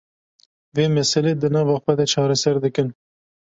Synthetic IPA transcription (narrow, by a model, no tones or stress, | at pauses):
veːmɛsɛleːd̪ɨnɑːvɑxwɛd̪ɛt͡ʃʰɑːɾɛsɛɾd̪ɨkɨn